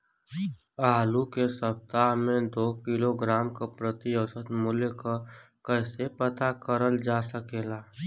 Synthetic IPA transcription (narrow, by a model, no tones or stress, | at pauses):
aːlukesəp̚t̪aːɦmẽd̪oːkɪloɡɾaːmkopɾət̪iəsət̪mʊljka | kəːsepət̪akəɾəld͡ʒaːsəkeːlaː